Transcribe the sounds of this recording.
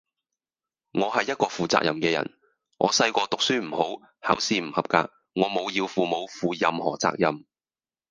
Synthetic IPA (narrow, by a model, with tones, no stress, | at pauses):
ŋɔː˨˧ɦɐ˨jːɐ˥t̚kɔː˧fuː˨t͡sa̰ː˧k̚jɐ̰˨mkɛː˧jɐ̰˨˩n | ŋʔɔ̰ː˨˧sɐ˧jkɔː˧t̪ʊ˨k̚syː˥m̩˨˩ho˨˥w | haː˨˥wsiː˧m̩˨˩hɐ˨p̚ka̰ː˧k̚ | ŋɔː˨˧mo˨˧wji˧wfuː˨mo˨˥wfuː˨jɐ˨mhɔ̰ː˨˩t͡sa̰ː˧k̚jɐ˨m